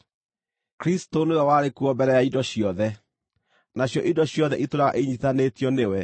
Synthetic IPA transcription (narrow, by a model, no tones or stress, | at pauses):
kɾistonoɔwaɾekuɔbɛɾɛjaidɔɕjɔðɛ | naɕjɔʔidɔɕjɔðɛʔitoɾaɣa̰ʔeɲitanetjɔnewɛ